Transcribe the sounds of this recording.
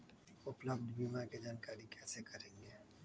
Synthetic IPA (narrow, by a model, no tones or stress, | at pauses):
ʊpləbd̪biːmaked͡ʒaːnkaːɾikʰɛːsekɐɾẽːŋɡeː